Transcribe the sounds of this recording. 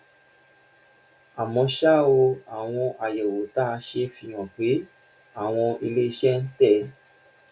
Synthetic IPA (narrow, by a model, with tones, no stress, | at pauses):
a˨mɔ̃˧ʃa˦o˧a˨w̃ɔ̃˧ʔa˨jɛ˨wo˨˦ta˦˧ʃe˧fi˧˨j̃ã˨k͡pe˨˦ | a˦˨w̃ɔ̃˧i˧le˦i˧ʃɛ˦˧n̩˦tɛ˦˨